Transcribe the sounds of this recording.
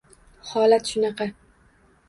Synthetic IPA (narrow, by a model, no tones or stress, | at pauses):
hɒlat̪ʃʊnɑqɑ